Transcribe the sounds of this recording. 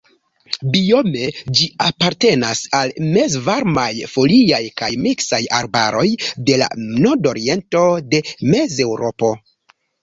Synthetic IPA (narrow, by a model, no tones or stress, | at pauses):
bio̞me̞d͡ʒiapaɾte̞nasalme̞zvaɾmajfo̞liajkajmiksajaɾba̰ɾo̞jde̞la̰noɾdo̞ɾie̞nto̞de̞me̞ze̞wɾo̞po̞